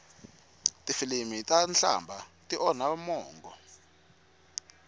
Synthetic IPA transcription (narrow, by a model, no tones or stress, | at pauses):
tʼifilimitʼanɬa̰mbʱatʼiʔɔnamɔːŋɡʱɔ̰